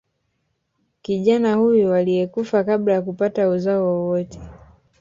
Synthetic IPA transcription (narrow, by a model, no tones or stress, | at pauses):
kiʄanahujɔwaliɛkufakaɓlajakupatauzaɔwɔwɔtɛ̥